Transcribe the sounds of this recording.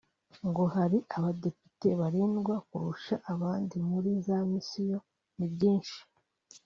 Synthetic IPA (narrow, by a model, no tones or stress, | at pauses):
ŋɡo̞haɾiʔaβade̞pi̥te̞βaɾiːnɡwakuɾuʃaʔːβaːndimuɾizamisijo̞ | nibɟiːnʃi̥